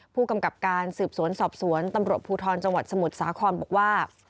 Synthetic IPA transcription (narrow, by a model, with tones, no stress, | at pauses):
pʰuː˥˩ka˧mka˨˩p̚kaː˧nsɯː˨˩p̚su˨˩˦ənsɔː˨˩p̚su˩˦ənt̪a˧mɾu˨˩ət̪̚pʰuː˧t̪ʰɔː˧nt͡ɕa˧ŋwa˨˩sa˧mu˨˩t̪̚saː˩˦kʰɔː˧nbɔ˨˩k̚waː˥˩